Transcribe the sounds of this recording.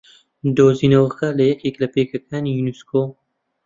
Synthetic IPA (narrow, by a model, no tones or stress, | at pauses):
d̪oːziːnɐwxɐlɐjɛkeːklɐpeːkʰɐkʰaːniːjunuskoː